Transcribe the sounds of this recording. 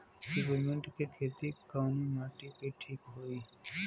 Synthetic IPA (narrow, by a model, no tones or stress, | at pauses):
ɖipoɾmeɳʈkekʰet̪ikawnimaʈikeʈʰikɦoj